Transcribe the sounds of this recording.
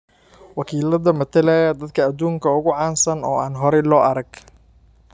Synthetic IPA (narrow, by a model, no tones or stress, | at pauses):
wɑkʰiːlɐðɐmɐt̪ʰɐlɛjɐd̪ɐd̪kʰɐːd̪uːŋkʰɐʊɣʊʕɑːnsɐnɔːaːnɦɔɾɛlɔːʔɐɾɐɡ̥